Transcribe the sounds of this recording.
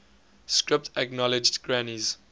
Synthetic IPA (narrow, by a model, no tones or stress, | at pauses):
skɹɪp̚tʰəknɔlɪd͡ʒdɡɹaniz